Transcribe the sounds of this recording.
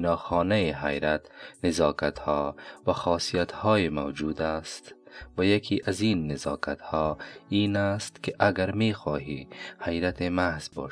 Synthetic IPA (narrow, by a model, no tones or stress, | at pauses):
nɒːxɔːnajiɦa̰jɾat̪nɪzɒːkat̪hɔːvaxɒːsijat̪hɔːjimawd͡ʒuːd̪ast̪vajakʰiːʔaziːnːɪzɒːkat̪hɔːiːnast̪kɪʔaɡaɾmeːxɔːɦḭːhajɾat̪ʰemahz̥bɔ̰ʃ